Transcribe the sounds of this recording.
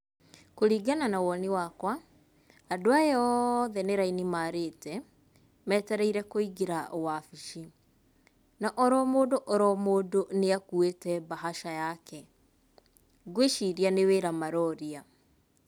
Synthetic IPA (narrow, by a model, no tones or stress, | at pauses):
koɾiːɡananawɔniwakwa | adoaeɔðɛneɾainimaːɾetɛ | mɛtɛɾɛiɾɛkoiɡeɾaɔwafiʃi | naʔɔɾɔmoːdoʔɔɾɔmoːdoneakuetɛbaɦaʃajakɛ | ɡweʃiɾianeweːɾamaɾɔɾia